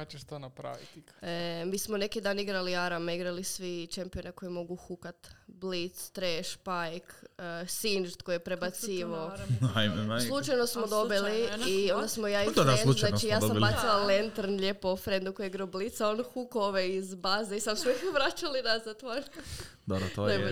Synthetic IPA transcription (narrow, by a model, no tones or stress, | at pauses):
at͡ʃeʃt̪onapɾa̰ʋit̪ikmiːsmone̞kid̪aːniɡɾaliaɾameiɡɾalisʋit͡ʃempioneko̞jemo̞ɡuxukat̪blit̪st̪ɾeʃpajksind͡ʒt̪kojjepɾebat̪siːʋaoajmslˠut͡ʃajnosmod̪o̞biliːond̪asmojaifd̪elunant͡ʃijaːsd̪sambasilalent̪ɾnʎepofɾend̪ukojeiɡɾaoblit̪saonxukoʋeizbazeisamseʋɾat͡ʃalinazat̪aɾ | d̪obɾat̪oam